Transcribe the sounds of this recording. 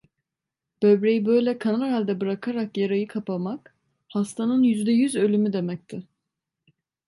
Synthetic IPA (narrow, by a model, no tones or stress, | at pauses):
b̥ø̞bɾejibø̞jlʲɛkʰanaɾalʲd̪ɛbɯɾakʰaɾakjaɾajɯkʰapamak | hast̪ʰanɯnjyzd̪ɛjyzø̞lʲymyd̪e̞mɛc̚t̪ʰɪ